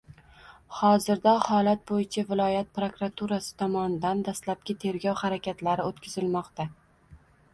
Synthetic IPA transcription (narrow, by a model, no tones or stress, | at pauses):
hɒzɪɾd̪ɒhɒlat̪̚bojɪt͡ʃʰavɪlˠɒjat̪̚pɾokɾat̪ʰuɾasɪ̥t̪ʰɒmɒnɪd̪and̪aslap̚kʲɪt̪ʰe̞ɾɡʲɒwhaɾakʲʰat̪laɾɪot̪kʲʰɪzɪlmɒqt̪a